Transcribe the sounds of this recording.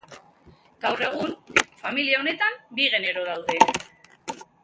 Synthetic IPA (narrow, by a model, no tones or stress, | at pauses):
ɡ̥awre̞ɣ̞unfamiliao̞ne̞t̪ambiɣe̞ne̞ɾo̞ðawðe̞